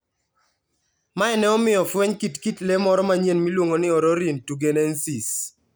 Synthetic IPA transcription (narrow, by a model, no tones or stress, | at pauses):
maɛnɛɔmɪjɔfwɛɲkitkitlemɔɾɔmaɲjenmilwoŋonɪɔɾɔɾintuɡenɛnsis